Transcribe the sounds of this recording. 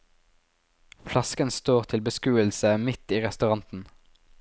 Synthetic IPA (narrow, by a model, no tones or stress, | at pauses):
flɑskənst̪oːʁt̪ʰɪlbəskʉːəlsəmɪt̪iːʁɛst̪ʉʁɑnt̪n̩